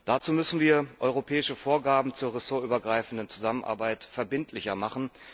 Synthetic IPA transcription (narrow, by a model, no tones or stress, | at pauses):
d̥at͡suːmʏsn̩viːɐʔɔʏʁopʰɛːɪʃəfoːɐɡaːbm̩t͡suːɐʁesoɐʔyːbɐɡʁaɪfn̩dənt͡suzamənʔa̰ɐbaɪtfɛɐbɪntʰlɪçɐmaχn̩